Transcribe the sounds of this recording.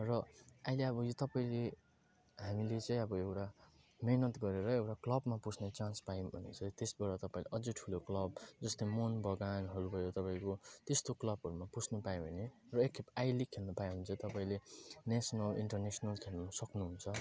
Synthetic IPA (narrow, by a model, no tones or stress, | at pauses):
rʌajleʌbʌjot̪ʌpaĩle | ɦamilet͡sʌ̃ĩʌbʌewʈa | menʌt̪ɡʌɾeɾʌewʈaklʌbmapusʰnet͡sãnspaibʱʌnḛnt͡sʰʌt̪esbʌɾʌt̪ʌpãĩleʔʌd͡zʌʈʰuloklʌbd͡zʌst̪ʌjmonbʌɡanɦʌɾubʱʌjot̪ʌpaĩkot̪est̪oklʌbɦʌɾumaput͡sʰnʌpaj̃bʱʌnerʌekʰːepajlikʰelnʌpaĩɦunt͡sʰʌt̪ʌpaĩlenesʌnʌliɳʈʌrnesnʌlkʰelnusʌknuɦunt͡sʰʌ